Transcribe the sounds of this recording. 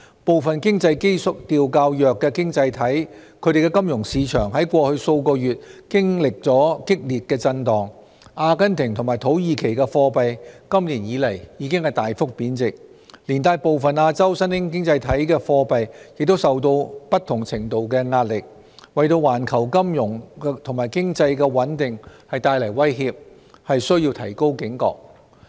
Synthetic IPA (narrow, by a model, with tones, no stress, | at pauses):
po˨wfɐ˨nkɪ˥ŋt͡sɐ˧jke˥jsʊ˨k̚t̪iː˨˧wkaː˧wjœː˨kːɛː˧kɪ˥ŋt͡sɐ˧jt̪ʰɐ˨˥jkʰɵ˨˧˥ɾe˨jkɛː˧kɐ˥mjʊ˨˩ŋsiː˨˧t͡ʃʰœ̰ː˨˩ŋɦɐ˨˥jkʷɔː˧hɵ˧ɥso˧wkɔː˧jyː˨t̚kɪ˥ŋlɪ˨k̚t͡sɔː˨˥kɪ˥k̚liː˨t̚kɛː˧t͡sɐ˧nt̪ɔː˨ŋ | ʔaː˧kɐ˥nt̪ʰɪ˨˩ŋt̪ʰʊ˨˩ŋmaː˨˩jt̪ʰo˨˥wjiː˨˧kʰe˨˩jkɛ˧fɔː˧pɐ˨jkɐ˥mliː˨˩njiː˨˧lɐ˨˩jjiː˨˧˥kɪ˥ŋhɐ˨jt̪aː˨jfʊ˥k̚piː˨˥nt͡sɪ˨k̚ | liː˨˩nt̪aː˧jpo˨wfɐ˨naː˧t͡sɐ˥wsɐ˥nhɪ˥ŋkɪ˥ŋt͡sɐ˧jt̪ʰɐ˨˥jkɛː˧fɔː˧pɐ˨jjɪ˨k̚t̪o˥wsɐ˨wt̪o˧wpɐ˥t̪ʰʊ˨˩ŋt͡sʰɪ˨˩ŋt̪o˨wkɛː˧ŋaː˧t̚lɪ˨k̚ | wɐ˨jt̪o˧waː˨˩nkʰɐ˨˩wkɐ˥mjʊ˨˩ŋt̪ʰʊ˨˩ŋmaː˨˩jkɪ˥ŋt͡sɐ˧jkɛː˧wɐ˨˥nt̪ɪ˨ŋhɐ˨jt̪aː˧jlɐ˨˩jwɐ˥jɦiː˧p̚ | hɐ˨jsɵ˥ɥjiː˧wt̪ʰɐ˨˩jko˥wkɪ˨˥ŋkɔ̰ː˧k̚